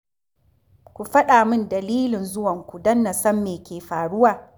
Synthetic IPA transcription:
kʷu˨ɸɐ˦ɗaː˨mɪ˦ndɐ˨liː˦lɪ˨nzʊ˦wɐ˨ŋkʷu˨dɐ˦nːɐ˨sɐ˦mːeː˨kʲeː˨ɸaː˨ɽʊ˦waː˨

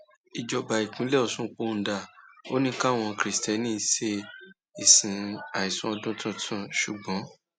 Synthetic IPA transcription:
i˨d͡ʒɔ˧ba˨i˨k͡pĩ˨˦lɛ˦˨ɔ˧˨sũ˦k͡po˧˦˧da˨o˦nĩ˦ka˦˨w̃ɔ̃˧kɾi˨stɛ˨˦nĩː˦se˧ | i˨sĩ˨a˨i˨sɔ̃˧˦ɔ˧dũ˦tʰɔ̃˦tʰã˦˨ʃu˨ɡ͡bɔ̃˨˦

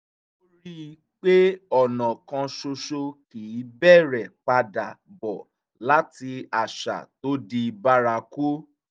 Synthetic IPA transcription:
o˦ɾi˦˧ | k͡pe˦ɔ˦˨nã˨kã˧ʃo˧ʃo˧kiː˨˦bɛ˦˨ɾɛ˨k͡pa˧da˨bɔ˨ | la˨˦ti˧a˨ʃa̰˨to˦di˧ba˦ɾa˧ku˦

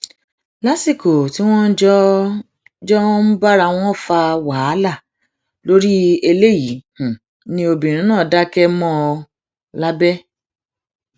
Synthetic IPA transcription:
la˦si˦˨ko˨ti˨˦w̃ɔ̃˦n̩˦d͡ʒɔ˦ | d͡ʒɔ˦m̩˦ba˦ɾa˧w̃ɔ̃˦˨fa˧waː˨˦la˦˨ | lo˦ɾi˦e˧le˦˨ji˨˦h̩˨ | nĩ˦o˧bĩ˨ɾ̃ĩ˨˦nãː˦˨da˦kɛ˦mɔ̃˦˧ | la˦bɛ˦

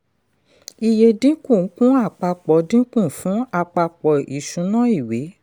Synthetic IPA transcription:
i˨je˧dĩ˦kũ˦˨˦kũ˦a˦˨k͡pa˧k͡pɔ˨˦dĩ˦kũ˦˨fũ˦a˦˨k͡pa˧k͡pɔ˨i˨ʃũ˨˦nã˦i˦˨we˨˦

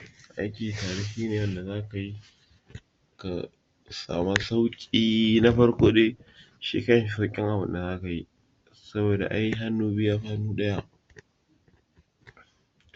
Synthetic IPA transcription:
a˨ʔa˦jkʲiː˨taː˨ɽi˦hiː˦neː˨wɐ˦nda˨zaː˦ka˨ji˦ | ka̰˨ | sa̰ː˨ma˦sa˦wkʲʼiː˦na˦ɸɐ˦ɽkʷoː˦eː˦ | ʃḭː˦kɐ˦˨˦ʃsa˦wkʲʼɪ˦ŋʔa˨bɨ̰˦nda˨zaː˦ka˨ji˦ | sɐ˦boː˨da̰˨ʔa˦ji˦ɦa˦nːuː˦bɪ˦jaː˦ɸaː˦nuː˦ɗɐ˦ja˦ʔ

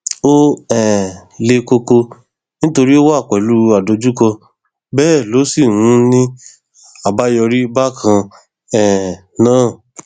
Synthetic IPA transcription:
o˦ɛ˨le˧ko˧ko˧ | nĩ˦to˧ɾi˦o˦wa˦˨k͡pɛ˨˦lu˦a˨do˨˧˦d͡ʒu˦kɔ˧ | bɛː˦˨lo˨˦si˦˨hũ˨˦nĩ˦ | a˨ba˦jɔ˧ɾi˦ba˦˨kʰã˧ | ɛ˨ | nãː˦˨

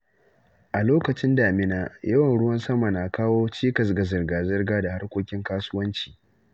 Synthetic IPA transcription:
ʔa˨loː˦kɐ˨t͡ʃɪ˦ndaː˨mɪ˦naː˦jɐ˦wɐ˨nɽʊ˦wɐ˦nsɐ˦ma˨na˨kaː˦woː˦t͡ʃiː˦kɐ˨s̬ɡa˨zɐ˨rɡaː˨zɐ˦rɡaː˦da˨ha˦rkʷoː˦kʲɪ˦ŋkaː˦sʊ˦wɐ˦nt͡ʃi̥ː˨ʔ

